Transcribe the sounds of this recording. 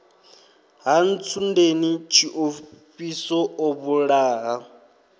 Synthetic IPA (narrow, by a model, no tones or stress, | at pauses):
ɦan̩t͡sʰundenit͡ʃʰiʔoɸisɔoβuɺaːɦa